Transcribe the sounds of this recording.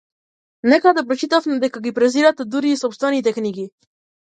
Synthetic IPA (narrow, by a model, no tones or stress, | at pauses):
nɛkad̪apɾot͡ʃit̪afmɛd̪ɛkaɡipɾɛziɾat̪ɛd̪uɾiːsɔpst̪vɛnit̪ɛkniɡi